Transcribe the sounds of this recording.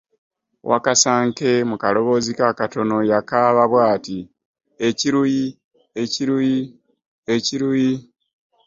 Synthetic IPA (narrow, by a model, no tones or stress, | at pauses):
wʔa̰kasaːŋke̞mukalo̞βo̞zikakato̞no̞jakaβaβwaːti | e̞ciɾuji | e̞ciɾuji | e̞ciɾuji